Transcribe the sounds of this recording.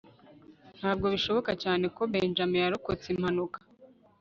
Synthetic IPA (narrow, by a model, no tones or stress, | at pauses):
n̥haːb̚ɡo̞βiʃo̞βo̞kacaːne̞ko̞βeːnd͡ʒamejaɾokot͡sim̥hanukḁ